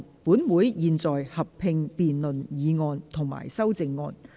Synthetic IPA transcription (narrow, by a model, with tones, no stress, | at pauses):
puː˨˥nwuː˨˥jjiː˨nt͡sɔː˨jhɐ˨p̚pʰɪ˧ŋpiː˨nlɵ˨njiː˨˧ŋɔː˧nt̪ʰʊ˨˩ŋma̰ː˨˩jsɐ˥wt͡sɪ˨˧ŋːɔː˧n